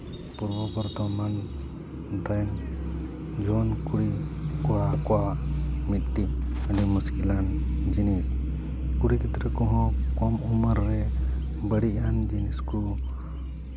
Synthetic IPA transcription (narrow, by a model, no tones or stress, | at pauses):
puɾbɔbɔɾt̪ɔman | d̪an | d͡ʒɔnkuɽikɔɽakɔwamit̪̚ʈiaɖimuskiland͡ʒinis | kuɽikʰit̪ɾɛkɔɦɔ̃kɔmuməɾːɛ | bəɽiand͡ʒinisku